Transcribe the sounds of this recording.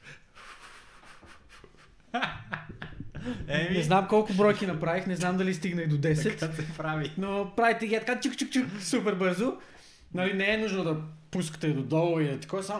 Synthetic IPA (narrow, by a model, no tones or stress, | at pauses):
ɛɛznamkɔlˠkʊbɾɔjkinɐpɾavixnɛznamd̪ɐlist̪iɡnɐjd̪od̪ɛsɛt̪sɛpɾavinopɾavit̪ɛɡʲiɛt̪ɐkat͡ʃukt͡ʃuk̚t͡ʃuksupɛɾbɤɾzo | nɐlinɛɛnuʒnod̪ɐpuskə̥t̪ɛd̪od̪ɔlˠoilit̪ɐ̥kɔsa